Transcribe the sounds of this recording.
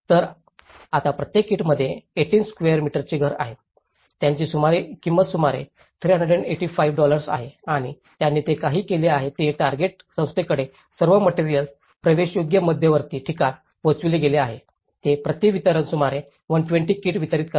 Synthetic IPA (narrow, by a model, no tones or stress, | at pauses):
t̪əɾ | at̪apɾət̪jekːiːʈməd̪ʱːjeːʈiːnskʋejəɾmiʈəɾt͡ɕiːɡʱəɾa̰ɦe | t̪jaɲt͡ɕiːsumaɾekimbət̪sumaɾḛ | t̪ʰɾiːɦəɳɖəɖəɳɖeʈiːfajʋɖɔləɾsa̰ɦeaɽ̃i | t̪janːiːt̪ekaɦiːkeleaɦet̪eʈaɾɡeʈ̚ | sə̃w̃st̪ekəɽe | səɾʋəməʈiɾijəls | pɾəʋeɕjoɡjəməd̪ʱjəʋəɾt̪iːʈʰikat̪ | pot͡sʋileɡeleaɦe | t̪epɾət̪jiʋit̪əɾənsumaɾe | ʋənʈʋeɳʈiːkiːʈʋit̪əɾiːt̪kə